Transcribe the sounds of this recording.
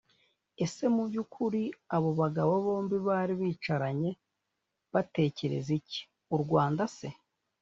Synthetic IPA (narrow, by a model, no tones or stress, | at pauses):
e̞se̞mubɟukʰuɾiaβo̞βaɡaβoβo̞ːmbiβaːɾiβiːt͡ʃaɾaɲe̞ | βate̞ːce̞ɾe̞̰zici̥ | uɾɡwaːndase̞